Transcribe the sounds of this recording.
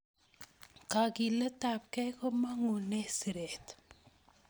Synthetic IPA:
ka˨ki˨lə˦ta˨p̚kɛ˦ko˦ma˦ŋu˨ne˦si˨ɾe˨t̪

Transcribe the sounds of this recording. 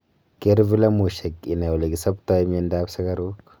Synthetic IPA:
ke˦ɾvi˦la˦mu˨ʃe˨ki˨na˨u˨la˨ɡi˨sa˦pta˦i˦m˦i˦nda˦bsa˦ɡa˦ɾu˦k

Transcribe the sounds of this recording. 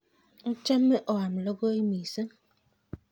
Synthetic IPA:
n̩˦t͡ʃɛ˦mːe˦ʔɔ˨wa˨m̩˨lo˦ɡo˦i˦mi˨sə˦ŋ

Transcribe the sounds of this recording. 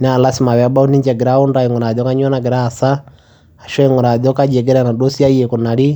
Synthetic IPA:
nɛ˦a˨lasi˨ma˨wɛ˨a˦ba˦u˦ni˦ɲd͡ʒɛ˨ɡɛ˨ɾau˦ndaiŋɔ˨na˨ðɔka˦ɲwɔ˦naɡɛ˨ɾaː˨sa˦ | a˨ʃɔ˦ɛŋɔ˨ɾa˨ðɔ˦ka˦d͡ʒɛ˨ɡɛ˦ɾɛna˨dɔ˦si˦a˦ijɛku˨na˨li˦

